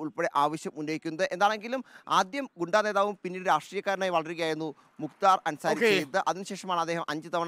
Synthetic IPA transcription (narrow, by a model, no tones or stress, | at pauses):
uɭpeɽeʔaːʋɐɕjɐmunːoːɣikʲːunːɐðɨʔe̞nd̪aːɳe̞ŋɡilumaːd̪jɐmɡuɳɖaːneːðaːʋumpinːiːɾɾaːʂʈriːjɐkːaːɾɐɳaːjʋɐɭɐɾiɣɐjaːjenːu | mukt̪aːrɐnsaːɾit͡ɕt͡ɕej̪t̪ːɨʔɐðinɨɕeːʂɐmaːɳɨɐd̪ːeːɦɐmʔɐɲd͡ʑɨt̪ɐʋɐɳ